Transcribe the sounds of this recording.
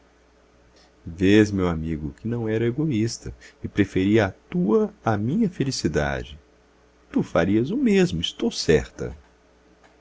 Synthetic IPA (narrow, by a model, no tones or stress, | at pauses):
vezmewamiɡʊkɪnɐ̃w̃ɛɾɐeɡoist̪ɐɪpɾefeɾiɐat̪uɐamĩɲɐfelisid̪a̰d͡ʒɪ | t̪ufaɾiɐzʊmezmʊɪst̪owsɛ̰ɾt̪ɐ̰